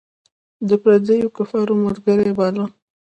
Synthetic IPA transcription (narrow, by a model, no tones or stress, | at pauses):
d̪əpɾad̪əjokafɑɾomaɾɡaɾebɑla